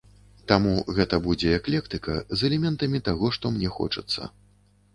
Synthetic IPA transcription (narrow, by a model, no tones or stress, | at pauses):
t̪amuɣɛt̪ɐbud͡zʲɛɛklʲɛkt̪ɨkɐzɛlʲɛmʲɛnt̪ɐmʲit̪aɣɔʂt̪ɔmnʲɛxɔ̰t͡ʂɐt̪sːɐ̰